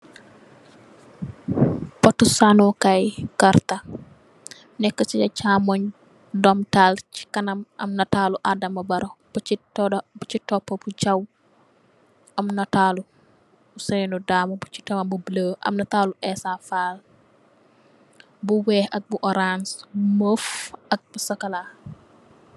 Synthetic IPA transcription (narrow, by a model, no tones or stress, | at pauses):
pɔtːusanɔkajkaɾtɐ | nɛkːət͡ʃiɐt͡ʃaːmɔɲ | dɔmtalt͡ʃi̥kɐnɐmɐ̰mnɐtaːluʔadɐmɐbɐɾɔbuitɔdbut͡ʃitɔpːɐbud͡ʒɐw | ɐmnɐtaːlu | usɛjnudaːmɐbut͡ʃi̥tɐmɐbubləːʔɐ̰mnɐtaːluʔɛsafaːl | buwɛːhɐk̚buʔɔɾansməfɐk̚busɐkɐla